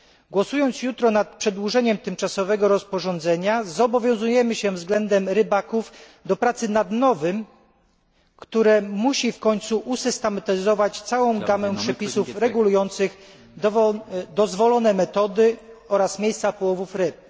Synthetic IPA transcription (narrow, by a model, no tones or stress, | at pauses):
ɡwɔsujɔnt̪sjut̪ɾɔnat̪̚pʂɛd̪wuʐɛɲɛmt̪ɘmt͡ʂasɔvɛɡɔɾɔspɔʐɔnd̪zɛɲazɔbɔvʲjɔ̃w̃zujɛmɘɕɛvzɡlɛnd̪ɛmɾɘbakuf | d̪ɔpɾat̪sɘnad̪nɔvɘm | kt̪uɾɛmuɕifkɔɲt̪suʔusɘst̪ɛmɛt̪ɛzɔvat͡ɕt̪sawɔ̃w̃ɡamɛ̃pʂɛpʲisufɾɛɡulujɔnt̪sɘx | d̪ɔzvɔlɔnɛmɛt̪ɔd̪ɘɔɾasmʲjejst̪sapɔwɔvufɾɘp̚